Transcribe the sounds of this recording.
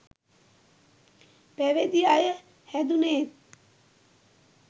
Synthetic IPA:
pɛʋed̪iajə | hɛd̪uneːt̪

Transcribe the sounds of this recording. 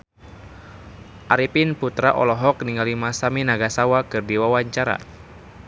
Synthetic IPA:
ʔaɾipinput̪ɾaʔɔ̰lɔɦɔk̚niŋalimasaminaɡasawakɨrdiwawaɲt͡ʃaɾa̰

